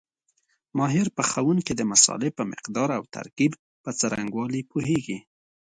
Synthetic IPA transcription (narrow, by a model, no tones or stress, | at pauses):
mɑɦɪɾpəxawunkid̪əmasɑ̰lɪhpəmɪ̰qd̪ɑɾawt̪ʰa̰ɾkib | pət͡saɾaŋɡwɑlipuɦeɡi